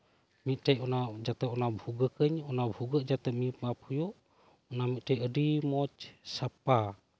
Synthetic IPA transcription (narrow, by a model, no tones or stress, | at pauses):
miʔtaiʔunad͡ʒat̪əunabhuɡəkəɲunabhuɡəd͡ʒat̪əmipaphujɔʔ | unamiʔʈaiʔədimɔt͡ʃsapa